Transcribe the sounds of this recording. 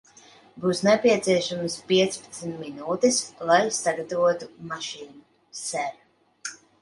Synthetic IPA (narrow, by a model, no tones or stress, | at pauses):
buːsnɛpʲiɛt̪siɛʃamspiɛt̪spḁt̪snʲt̪minuːt̪islˠajsaɡat̪avuɔt̪umaʃiːnu | sɛɾ